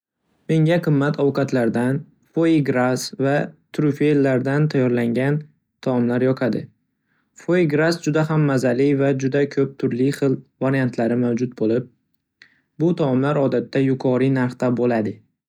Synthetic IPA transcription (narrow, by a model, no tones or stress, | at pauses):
me̞ŋʲaqʰɨmːat̪ʰɒwqɑt̪laɾd̪an | foiɡɾasvat̪ʰɾufelːaɾd̪ant̪ʰajɒɾlaŋɡʲan | t̪ʰaɒmlaɾjɒqʰad̪ɪ̰ | foiɡɾasd͡ʒʊd̪ahamːazalivad͡ʒʊd̪akʰɵp̚t̪ʰʊɾlɪχɨlˠvaɾijant̪ʰlaɾɪmawd͡ʒʊt̪̚bolɪp̚ | bʊt̪ʰamlaɾɒd̪at̪ʰːajʊqʰɒɾinaɾχt̪abolad̪ɪ